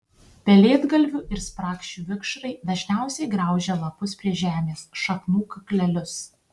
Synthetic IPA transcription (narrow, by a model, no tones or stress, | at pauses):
pʲɛlʲeːd̪ɡɐlʲʋʲʊʔɪɾspɾɑːkʃʲuːʋʲɪkʃɾɐɪd̪ɐʒʲnʲæˑʊsʲɛɪɡɾɑˑʊʒʲelˠɐpʊspʲɾʲiɛʒʲæːmʲeːsʃɐknuːkɐklʲɛlʲʊs